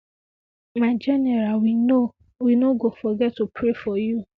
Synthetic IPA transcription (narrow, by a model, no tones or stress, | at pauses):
mad͡ʒɛnɛɾawino | winoɡofɔɡɛtːupʰɾefɔju